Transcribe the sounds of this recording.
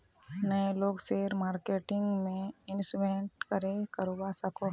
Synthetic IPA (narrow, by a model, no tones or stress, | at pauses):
nɐeloːɡseːɾmaːɾkeːʈɪ̃ŋɡmẽɪnsʋeɳʈkɐɾekɐɾoːbasɐko